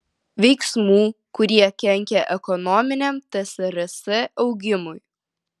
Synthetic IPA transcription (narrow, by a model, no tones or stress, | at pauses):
ʋʲɛɪksmuː | kʊɾʲiɛkʲɛŋʲkʲɛʔɛkɔnɔmʲɪnʲɛmt̪ɐsʲɛɾɐsʲɛʔɒʊɡʲɪmʊɪ